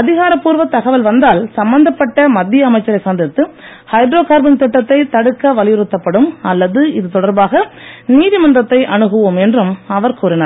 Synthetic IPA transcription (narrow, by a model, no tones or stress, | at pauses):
ɐðɪɣaːɾɐpːuːɾʋɐt̪ːɐɣɐʋɐlʋɐnd̪aːlsɐmbɐnd̪ɐpːɐʈːɐmɐd̪ːɪjɐːmɐɪt͡ʃːɐɾɐɪsaːnd̪ɪɾt̪ːɯ | hɐɪɖɾoːkaːɾbɪŋt̪ɪʈːɐt̪ːɐɪt̪ɐɽɯkːɐʋɐlɪjɪɾɯt̪ːɐpːɐɽɯmɐlːɐðɯɪðɯt̪ɔɽɐɾbaːɣɐniːðɪmɐndrɐt̪ːɐɪʔɐnɯɣɯʋɯmɛndrɯmɐʋɐɾkuːɾɪnaɾ